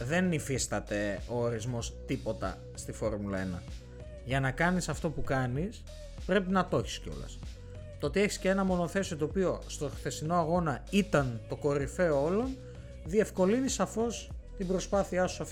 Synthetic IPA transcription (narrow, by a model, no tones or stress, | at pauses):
ðe̞nːifist̪ɐt̪e̞oːɾizmo̞st̪ipo̞t̪ɐ̰ | st̪ifo̞ɾmulɐe̞̰nɐ̰ | ʝɐnɐkɐnisɐft̪o̞pukɐnis | pɾe̞pinɐt̪o̞çi̥sceo̰lɐ̰s | t̪oo̞t̪ie̞çi̥scee̞nɐmo̞no̞θe̞sio̞t̪oːpio̞st̪o̞xθe̞sino̞ɐɣo̞nɐit̪ɐnt̪o̞ko̞ɾife̞oo̞lo̞n | ðie̞fko̞linisɐfo̞st̪ibɾo̞spɐθiɐsuɐf